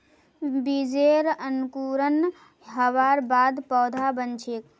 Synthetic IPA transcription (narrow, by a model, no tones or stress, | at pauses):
bid͡ʒeɾənkuɾən | ɦəʋaːɾbaːd̪pɔːd̪ʱabənt͡ʃʰeːk